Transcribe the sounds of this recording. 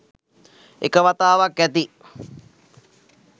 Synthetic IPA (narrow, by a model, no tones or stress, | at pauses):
ḛkəʋat̪aːʋakʋæt̪i